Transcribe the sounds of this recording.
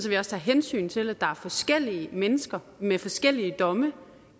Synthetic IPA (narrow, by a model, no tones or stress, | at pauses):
sɒʋiɒ̽st͡sʰæ̰ːɦensy̰ːnt͡sʰe̝læd̥ɑ̈æɐfɒ̽sɡ̥el̰iəmenəsɡ̥ɐ | mefɒ̽sɡ̥el̰iəd̥ɒ̽mə